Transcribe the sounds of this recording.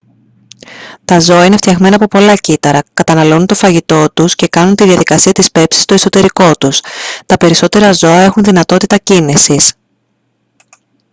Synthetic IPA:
t̪ɐzo̞ɐine̞ft̪çɐɣme̞nɐpo̞po̞lɐcit̪ɐɾɐkɐt̪ɐnɐlo̞nunt̪o̞fɐʝit̪o̞t̪usce̞kɐnunt̪iðiɐðikɐsiɐt̪ispe̞psi̥st̪o̞e̞so̞t̪e̞ɾiko̞t̪ust̪ɐpe̞ɾiso̞t̪e̞ɾɐzo̞ɐe̞xunðinɐt̪o̞t̪it̪ɐcinisis

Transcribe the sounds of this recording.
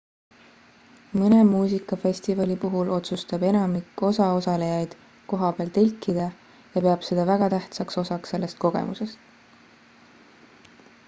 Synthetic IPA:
mɤne̞muːsikˑːɑfe̞sʲt̪ivɑlʲipuɦulo̞t̪sust̪ɑbe̞nɑmikːˑo̞sɑosɑlejɑjd̪̥ | ko̞ɦɑpeɑlt̪elʲkˑːid̪̥ɑ | jɑpe̞ɑb̥se̞d̪ɑvæɡ̥ɑt̪æht̪sɑkso̞sɑkse̞lːe̞st̪̚ko̞ɡ̥ḛmuse̞st̪

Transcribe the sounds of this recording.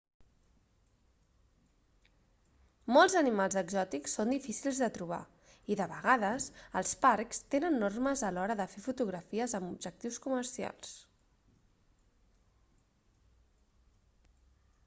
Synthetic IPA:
molˠzənimalˠzðəɡzɔt̪iksːond̪ifisilˠzðət̪ɾuβ̞a̰ | iðəβəɣaðəsə̰lˠspaɾkst̪enənːorməzəlɔɾəðəfefut̪uɣɾəfiəzəmubʒək̚t̪iwskumərsia̰lˠs

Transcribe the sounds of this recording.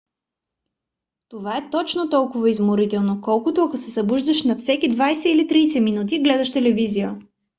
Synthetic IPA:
t̪ovaɛt̪ɔt͡ʃnot̪ɔlˠkʊvəizmoɾit̪ɛlˠnokɔlˠkʊt̪oɐkosɛsɐbuʒd̪ɐʃnɐfsɛkid̪vajsɛilit̪ɾijsɛminut̪̬iɡlɛd̪ɐʃt̪ɛlɛvizijə

